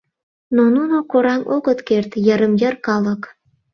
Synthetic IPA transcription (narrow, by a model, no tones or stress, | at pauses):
nonunokoɾɑmoɣət̪kert̪jəɾəmjərkɑlək